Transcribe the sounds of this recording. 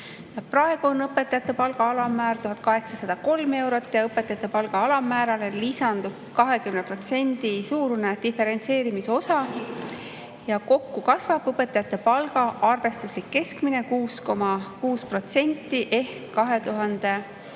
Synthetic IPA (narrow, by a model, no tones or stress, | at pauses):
jɑprɑeɡ̥uonːɤpːe̞t̪ːˑɑjɑt̪ˑːe̞pɑlɡ̥ɑɑlɑmæːɾt̪uɦɑt̪̚ˑkɑɦe̞ksɑsɑd̪̥ɑko̞lme̞wɾo̞t̪ːˑjɑɤpːˑet̪ːˑɑjɑt̪ːˑepɑlɡ̥ɑɑlɑmæːɾɑle̞lisɑnd̪ub̥ | kɑɦe̞kymnepro̞t̪se̞nʲd̪̥isuːɾuned̪̥ife̞ɾe̞nt̪se̞ːɾimiso̞sɑ | jɑko̞kːukɑsvɑb̥ɤpːe̞t̪ːˑɑjɑt̪ˑːe̞pɑlɡ̥ɑɑrve̞st̪uslikːe̞skmine̞kuːsko̞mɑkuːspro̞t̪se̞nʲt̪ːˑiʔe̞hkːɑɦe̞t̪uɦɑnd̪̥e̞